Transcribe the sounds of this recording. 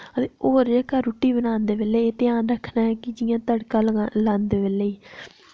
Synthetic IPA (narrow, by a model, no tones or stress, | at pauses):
ət̪eːoːɾd͡ʒaːkəɾʊʈːiːbənaːnd̪eːbeːleːeːt̪ɪjãːnɾəkʰːnaːɛkɪd͡ʒɪjãːt̪əɽkãːllãːnd̪eːbeːleiː